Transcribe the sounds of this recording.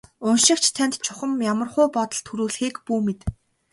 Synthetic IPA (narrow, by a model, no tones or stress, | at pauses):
ʊnʃɪ̆k̚t͡ɕʰt̪ʰænʲt̪t͡ɕʰʊχə̆mjamə̆rχʊːpɔt̪ɞ̆ɬt̪ʰuɾuːɮxiːkpuːmet̪